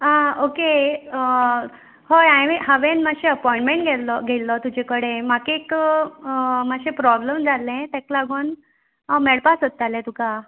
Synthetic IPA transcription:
aokeə | hojajʋeɦəʋẽnmaɕẽəpɔiɳʈmẽɳʈ̚ɡʱɛllɔɡʱelːɔt̪ud͡ʑekəɽemakeːkkə | maɕẽpɾɔbləmd͡zʱalẽt̪ɛklaɡon | amɛɽpasət̪ːalẽt̪uka

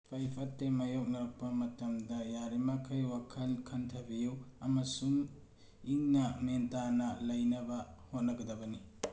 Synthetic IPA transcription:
pʰɐjpʰɐtːemɐjok̚nɐɾɐk̚pɐmɐtɐmdɐjaɾimakʰɐjwakʰɐlkʰɐntʰɐbijuwɐmɐsuŋ | iŋnɐmentanɐlɐjnɐbɐhot̚nɐɡɐdɐbɐni

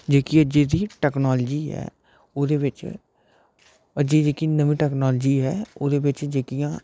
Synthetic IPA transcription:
d͡ʒeːkiəd͡ʒeːd̪iːʈɛːknɔːld͡ʒiːɦɛ̰ː | oːd̪eːʋɪt͡ʃ | əd͡ʒiːd͡ʒeːkiːnəʋĩːʈɛːknɔːld͡ʒiːɦɛːoːd̪eːbɪt͡ʃd͡ʒeːkijãː

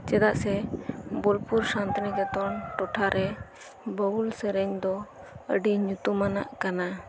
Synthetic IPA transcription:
t͡ʃɛd̪aʔsɛbɔlpuɾsant̪niɡat̪ɔɳʈɔʈʰaɾɛ | bəulsəɾəɲd̪ɔ | ə̰ɖiɲut̪umana̰ʔkana

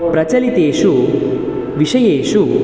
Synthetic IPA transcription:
pɾɐt͡ʃɐlit̪eːʂu | ʋiʂɐjeːʂu

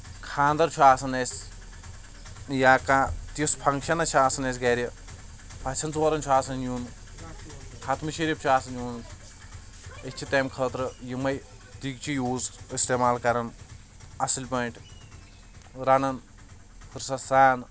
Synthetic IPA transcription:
kʰaːnd̪ɐɾt͡ʃʰuaːsɐnɐs | jaːkãːt̪ispʰɐŋkʃɐnɐt͡ʃʰiaːsɐnɐːsɡɐːɾʲɐ | pʰɐt͡ʃʰɐnt͡sʋɐɾɐnt͡ʃʰuaːsɐnjuːn | kʰat̪ʰmɨʃiɾip̚t͡ʃʰuaːsɐnjuːn | et͡ʃʰit̪ɐːmkʰəːt̪ɾɨjimɐj | t̪iɡt͡ʃʰijuːzist̪eːmaːlkɐɾɐn | ɐsilʲpɐɳʈ | ɾɐnɐn | hʰɨɾsɐsaːn

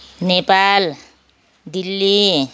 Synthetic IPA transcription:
nepal | d̪ilːi

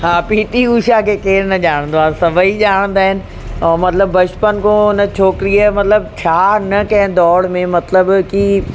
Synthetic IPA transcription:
ɦaːpiːt̪iuːʃakʰeːkeːɾnɐʄaːɽ̃ə̃nd̪oaːsɐbʱəiʄaːɽ̃ə̃nd̪aːɦɪnɪ̆ | mɐt̪ɪləbːɐʃpənkʰõɪnət͡ɕʰoːkɪɾijəmɐt̪ləb̚t͡ɕʰaːnɐkɐ̃ɦɪ̃d̪ɔːɽmẽmɐt̪ləbki

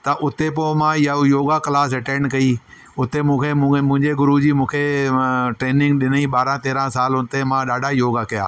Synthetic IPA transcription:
t̪ɐʔʊt̪epoːmãɪjajoːɡakɪlaːs̬ɛʈẽːɳɖkɐi | ʊt̪emũːkʰemũmʊ̃ɦɪ̃ɲd͡ʑeɡʊɾud͡ʑiːmũːkʰe | ʈɾeːnɪ̃ŋɡɗɪniɓaːɾãt̪eːɾãsaːlʊnɪ̆t̪emãɗaːɖʱajoːɡakɐja̰ː

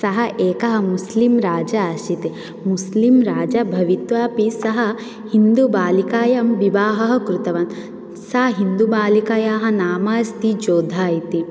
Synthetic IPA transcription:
sɐɦɐʔeːkɐɦɐ̆muslimɾaːd͡ʒɐːʃit̪i | muslimɾaːd͡ʒɐbʱɐʋit̪ʋaːpisɐɦɐ̆ | hind̪ubaːlikaːjɐmʋibaːɦɐɦɐkɾut̪ɐʋɐn | saːɦind̪ubaːlikaːjaːɦɐ̆naːmaːst̪id͡ʒoːd̪ʱaːjit̪i

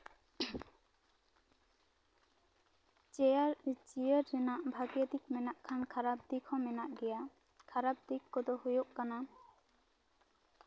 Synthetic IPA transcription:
t͡ʃɛaɾt͡ʃijəɾːɛnaʔbʱaɡijəd̪ik̚mɛnaʔkʰankʰaɾab̚d̪ikʰɔ̃mɛnaʔɡɛja | kʰaɾab̚d̪ikːɔd̪ɔhujoʔkana

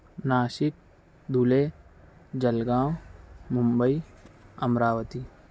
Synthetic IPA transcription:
naːʃɪk̚ | d̪ʱule | d͡ʒɐlɡãːwmʊmbəiɐmɾaːwət̪iː

